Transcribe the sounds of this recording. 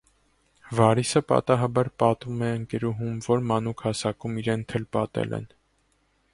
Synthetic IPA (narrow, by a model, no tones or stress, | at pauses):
vɑɾisəpɑ̰t̪ɑɦɑbɑɾpɑt̪umɛəŋkɛɾuɦumvɔɾmɑnukʰhɑsɑkumiɾɛnt̪ʰɛlpɑt̪ɛ̰lɛ̰n